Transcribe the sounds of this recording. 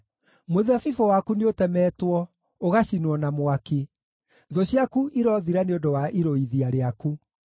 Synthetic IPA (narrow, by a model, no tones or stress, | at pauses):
moðafifɔwakuneotɛmɛːtwɔ | oɣaɕinwɔnamowake | ðɔɕiakuʔiɾɔðiɾaneodowaʔiɾoiðiaɾeaku